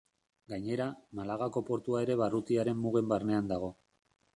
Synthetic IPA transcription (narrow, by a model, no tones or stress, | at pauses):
ɡaɲe̞ɾamalaɣako̞po̞ɾt̪uae̞ɾe̞βarut̪iaɾe̞mːuɣ̞e̞mbarne̞and̪aɣo̞